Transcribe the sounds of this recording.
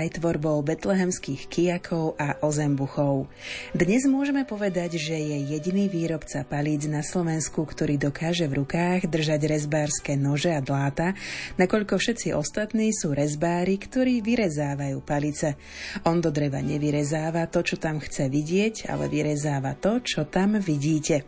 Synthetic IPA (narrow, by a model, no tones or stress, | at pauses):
ajt̪ʋɔɾbɔʊbɛt̪lɛɦɛmskiːxkijakʰɔʊʔaʔɔzɛmbuxɔʊd̪ɲɛzmʊɔʒɛmɛpɔʋɛd̪aɟʒɛjɛjɛɟiniːʋiːɾɔpt͡sapaliːd͡znaslɔʋɛnskukt̪ɔɾiːd̪ɔkaːʒɛvɾukaːɣd̪r̩ʒaɟɾɛzbaːɾskɛːnɔʒɛad̪laːt̪anakɔʎkɔfʃɛt̪t͡siʔɔst̪at̪niːsuːɾɛzbaːɾikt̪ɔɾiːʋiɾɛzaːʋajuːpalit͡sɛ | ɔnd̪ɔd̪ɾɛʋa̰ɲɛʋiɾɛzaːʋat̪ɔt͡ʃɔt̪amxt͡sɛʋiɟɪɛɟa̰lɛ̰ʋiɾɛzaːʋa̰t̪ɔt͡ʃɔt̪amʋiɟiːcɛ